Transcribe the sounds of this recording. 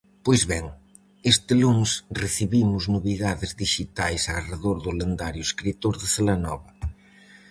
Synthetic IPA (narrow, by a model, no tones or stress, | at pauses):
pojzβɛŋ | est̪ɪluŋsreθiβimʊznoβiðaðɪzðiʃit̪ajsareðoɾðʊlend̪aɾjʊeskɾit̪oɾðɪθelanɔβɐ